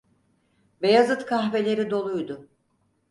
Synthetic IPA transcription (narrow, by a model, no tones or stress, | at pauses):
vejazɯt̪kʰaɦve̞lʲe̞ɾid̪o̞lˠujd̪ʊ